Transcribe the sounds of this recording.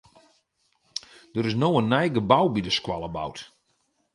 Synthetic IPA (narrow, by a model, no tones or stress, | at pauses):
dəɾɪsnoənːɛjɡəbawbidəskwalˠəba̰wt